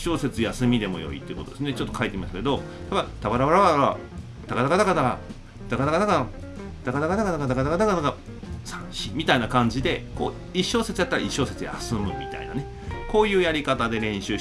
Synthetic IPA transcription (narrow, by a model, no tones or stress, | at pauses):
ɕo̞ːse̞t͡sɨjasɨmʲid̪e̞mo̞̰jo̞̰ḭt̪oiɯ̟kood̪esɨnet͡ɕo̞t̪ːokait̪eimaɕt̪ake̞d̪o̞ | t̪abat̪abaɾaβaɾaβaa̰ | t̪akad̪akad̪akad̪aa̰ | d̪̥akad̪akad̪akaa | d̪̥akad̪akad̪akad̪akad̪akad̪akad̪akad̪aɡa | sãɕimʲit̪ainakãɲ̟d͡ʑid̪e̞ko̞̰ː | iɕo̞ːse̞t͡sɨjat̪ːaɾa̰iɕo̞ːse̞t͡sɨja̰sɨmɯ̟mʲḭt̪a̰ina̰ne̞ | ko̞ːjɯ̟ːjaɾʲikat̪ad̪e̞ɾẽ̞ɕɨː